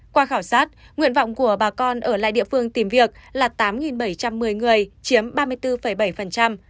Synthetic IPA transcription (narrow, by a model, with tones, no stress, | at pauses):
kwaː˧xaː˧˩wsaː˦˥t̚ | ŋwḭ˧˨ənva̰˧˨wŋ͡mku˧˩əɓaː˨˩kɔ˧nʔəː˧˩la̰ː˧˨jɗḭ˧˨əfɨ˧əŋt̪i˨˩mvi˨˩ək̚laː˨˩t̪aː˨˦mŋi˨˩nɓə˧˩jt͡ɕa˧mːɨ˨˩əjŋɨ˨˩əjt͡ɕi˨˦əmɓaː˧mɨ˧əjt̪ɨ˧fə˧˩jɓə˧˩jfə˨˩nt͡ɕa˧m